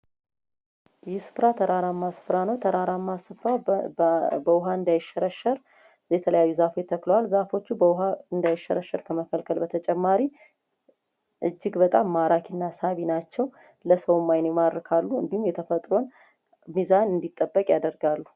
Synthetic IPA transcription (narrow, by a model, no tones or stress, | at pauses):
jɛsɨ̥fɾat̪ʰəɾaɾamːasɨ̥fɾanəwt̪ʰəɾaɾamːasɨfɾa | bəwʊɦaɨnd̪ajɪʃəɾəʃəɾ | jɛt̪ʰələjajːuzafojt̪ʰːəklowalzafo̞t͡ʃːubɦaɨnd̪ajɪʃːəɾəʃəɾkʰəməkʰəlkʰəlbət̪ʰət͡ʃʼɛmːaɾi | ʔɨd͡ʒːɪɡbət̪ʼamːaɾakʰinːasaβinat͡ʃːɛw | ləsəwmːajnemad̪ɾkʰalːuɨ̰nd̪ihumjɛt̪ʰəfət̪ʼɾo̞n | mizanɨnd̪it̪ʼːəbːəkʼjad̪əɾɡalːu